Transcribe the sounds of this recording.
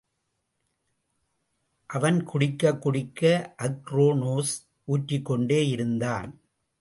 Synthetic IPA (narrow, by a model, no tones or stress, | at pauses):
ʔɐʋɐnkʊɽɪkːɐkːʊɽɪkːɐʔɐkɾoːnoːs | ʔuːʈrɪkːɔɳɖeːjɪɾɯnd̪aːn